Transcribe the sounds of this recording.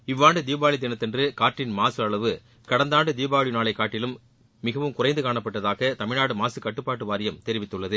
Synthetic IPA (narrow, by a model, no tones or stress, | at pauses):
ɪʋːaːɳɖɯd̪iːbaːɭɪd̪ɪnɐt̪ːɛndrɯkaːɾʈːɪnmaːsɯɐɭɐʋɯ | kɐɽɐnd̪aːɳɖɯd̪iːbaːɭɪnaːɭɐɪkːaːʈːɪlɯmː | ɪɣɐʋɯmkʊrɐɪnd̪ɯkaːɳɐpːɐʈːɐðaːɣɐt̪ɐmɪɻaːɽɯmaːsɯkɐʈːɯpːaːʈːɯʋaːɾɪjɐmt̪ɛɾɪʋɪt̪ːɯɭːɐðɯ